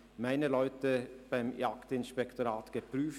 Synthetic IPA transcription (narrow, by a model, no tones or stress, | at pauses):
mæɪnəlɔʏt̪əb̥æɪmjɑkt̪ɪnʃpɛkt̪oɾɑːt̪ɡ̥əpʰɾyːf